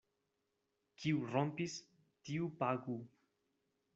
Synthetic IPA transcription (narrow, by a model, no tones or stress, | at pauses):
kʰiurompis | t̪iupaɡu